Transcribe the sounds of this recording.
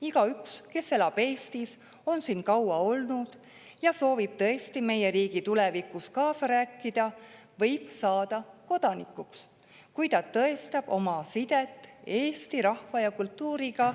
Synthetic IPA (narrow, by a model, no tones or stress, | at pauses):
iɡ̥ɑykske̞sːe̞lɑpe̞ːst̪is | o̞nsinkɑwɑo̞lnud̪̥ | jɑso̞ːvib̥̚t̪ɤ̞est̪ime̞je̞ɾiːɡ̥it̪ulevikˑuskɑːsɑɾæːkˑːid̪̥ɑ | vɤ̞jb̥sɑːd̪̥ɑko̞d̪̥ɑnikːˑuks | kujt̪ɑt̪ːɤe̞st̪ɑb̥o̞̰mɑsid̪̥e̞t̪ːˑe̞ːst̪iɾɑhvɑjɑkult̪ːˑuːɾiɡ̥ɑ